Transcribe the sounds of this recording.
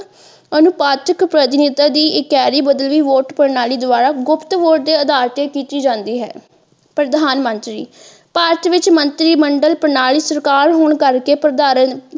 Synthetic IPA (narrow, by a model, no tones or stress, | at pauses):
ənʊpaːt̪əkpɾət̪ɪnɪt̪aːd̪iːɪkɛːɾiːbəd̪əlʋiːʋoːʈpəɾnaːliːd̪ʊaːɾaːɡʊpʰt̪ʋoːʈ̚d̪eːəd̪aːɾt̪eːkiːt̪iːd͡ʒãːnd̪iːɦɛ̰ː | pɾəd̪ʱaːnmə̃nt̪ɾḭː | paːɾt̪ʋɪt͡ʃmənt̪ɾiːməɳɖəlpəɾnaːliːsəɾkaːɾɦoːɳkəɾkeːpɾəd̪aːɾən